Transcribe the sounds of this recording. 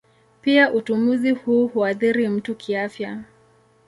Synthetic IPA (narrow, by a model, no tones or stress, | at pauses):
piaʔutumuzihuːhuaθiɾim̩tukʰiafja